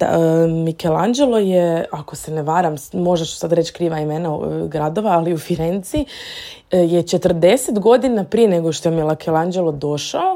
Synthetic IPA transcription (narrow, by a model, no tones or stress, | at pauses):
d̪a̰mikeland͡ʒelo̞jeako̞se̞neʋaːɾammo̞ʒeʃsad̪ɾe̞t͡ʃkɾiːʋaimeːnaɡɾad̪o̞ʋaːliufiɾent̪si | jet͡ʃe̞t̪rd̪e̞set̪ɡo̞d̪inapɾijeneɡoʃt̪ojemilˠakʰelˠand͡ʒelod̪o̞ʃao